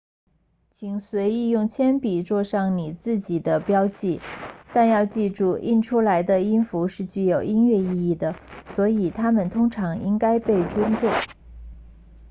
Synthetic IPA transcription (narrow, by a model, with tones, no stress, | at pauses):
t͡ɕʰi˨˩ŋswe˧˥ɪi˥˧jʊ˥˩ŋt͡ɕʰjɛ˥npi˨˩t͡swɔ˥˧ʂɑ˥˩ŋni˨˩t͡sɹ̩˥˩t͡ɕi˨˩d̪ə˦pjɑ˥ʊt͡ɕi˥˩t̪a˥˧njɑ˥˧ʊt͡ɕi˥˧ʈ͡ʂu˥˧ʔḭ˥˩nʈ͡ʂʰu˥la˧˥ɪd̪ə˧i˥nfu˧˥ʂɻ̩˥˧t͡ɕy˥˩jo˨˩ʊʔi˥nɥɛ˥˧i˥˧i˥˩d̪ə˩swɔ˧˥i˨˩t̪ʰa˥mə˨nt̪ʰʊ˥ŋʈ͡ʂʰɑ˧˥ŋi˥ŋka˥ɪpe˥˩ɪʈ͡ʂwə˥nʈ͡ʂʊ˥˩ŋ